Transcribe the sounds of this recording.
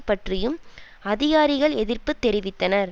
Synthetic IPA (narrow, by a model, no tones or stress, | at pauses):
pːɐʈrɪjɯm | ɐðɪɣaːɾɪɣɐɭɛðɪrpɯt̪ːɛɾɪʋɪt̪ːɐnɐɾ